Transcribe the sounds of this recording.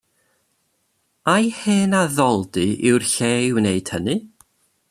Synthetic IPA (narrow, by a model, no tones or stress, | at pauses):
ajheːnaðɔlˠdɨɪwrɬewnejd̥hənɨ